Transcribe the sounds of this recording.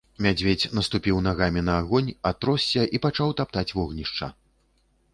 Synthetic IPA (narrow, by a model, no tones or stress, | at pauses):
mʲad͡zʲvʲet͡sʲn̪ɐst̪upʲiwnaɣamʲinɐːɣɔnʲat̪ɾɔsʲːɐʔipat͡ʂawt̪apt̪at͡sʲvɔɣnʲiʂt͡ʂɐ̰